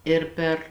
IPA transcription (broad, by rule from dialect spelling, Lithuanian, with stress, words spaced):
ˈɪr pʲɛr